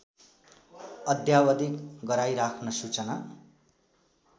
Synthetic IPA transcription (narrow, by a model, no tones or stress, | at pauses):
ʌd̪ʱjawʌd̪ikɡʌɾajɾakʰnʌsut͡sʌna